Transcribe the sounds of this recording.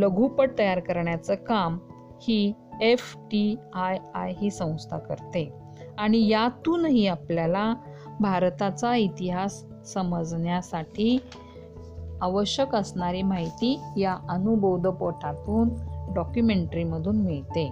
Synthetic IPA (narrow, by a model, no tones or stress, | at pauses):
ləɡʱupəɽ̚t̪əjaɾkəɾɳjat͡səkam | hiː | efʈiajajɦiːsə̃w̃st̪ʰa̰kə̰ɾt̪e | aɽ̃ijat̪uːnɦiːapljala | bʱaɾt̪at͡sait̪iɦasː | əməd͡zɳjasaʈʰiː | aʋəɕjəkəsɳaɾiːmaɦit̪iːjaʔənubʱowd̪ʱəpoʈʰat̪uːnɖɔkjumeɳʈəɾiməd̪ʱuːnmiɭt̪e